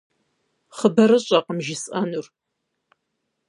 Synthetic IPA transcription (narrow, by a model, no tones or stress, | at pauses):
χəbɐɾɨɕʼɐqəmʒɪsɐnur